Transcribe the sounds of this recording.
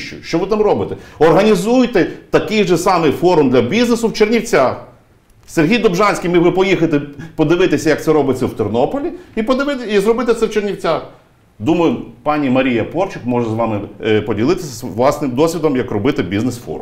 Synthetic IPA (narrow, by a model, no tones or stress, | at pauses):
ʃt͡ʃʊ̰jʃt͡ʃɔʋɪt̪ɑmrɔbɪt̪ɛɔrɦɐnʲizujt̪ɛt̪ɐkɪjʒɛsɑmɪfɔɾʊmd̪lʲɐbʲiznesʊwt͡ʃernʲiwt͡sʲax | serɦʲijd̪ɔbʒɑnʲsʲkʲijmɪʋɪpɔjixɐt̪ɪpɔd̪ɪʋɪt̪esʲɐjɐk̚t̪sɛɾɔbɪt͡sʲːɐwt̪ɔrnɔpɔlʲiipɔd̪ɪʋɪt̪izrɔbɪt̪ɛt̪sɛwt͡ʃernʲiwt͡sʲax | d̪umɐjʊpɑnʲimɐɾʲijɐpɔrt͡ʃɪkmɔʒɛzʋɑmɪpɔdʲilˠɪt̪ɪsʲɐʋlˠɑsnɪmd̪ɔsʲʋʲid̪ɔmjɐkrɔbɪt̪ɪbʲiznesfɔ̰ɾʊ̰m